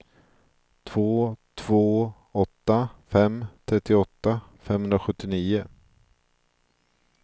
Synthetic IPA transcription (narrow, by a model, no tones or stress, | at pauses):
t̪ʰv̥oːt̪ʰv̥oː | ɔt̪ːafɛmt̪ʰɾɛt̪ːɪɔt̪ːafɛmhɵnd̪ɾaɧɵt̪ːɪniːʊ